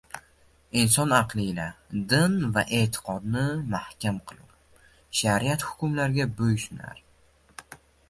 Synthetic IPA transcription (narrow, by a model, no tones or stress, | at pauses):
insɒnɑqlˠɪːlad̪ɪnvaʔe̞ːt̪ʰɪ̥qʰɒd̪nɪmahkʲʰamqʰɨlˠɪw | ʃaɾiat̪hʊ̥kʲʊmlaɾɡʲabɵjʃna̰ɾ